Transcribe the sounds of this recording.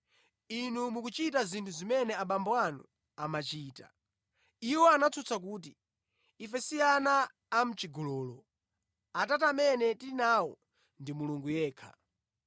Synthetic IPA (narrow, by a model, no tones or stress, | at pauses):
inumukut͡ʃitazintʰuzimɛnɛaɓambɔwanṵ | amat͡ʃiːta̰ | iwɔanat͡sʰut͡sʰak̬uːt̬iː | fɛsijanaː | m̩t͡ʃiɡɔlɔːlɔ | atatamɛnɛtiinawɔ̰ | ndimuluŋɡujɛːkʰa̰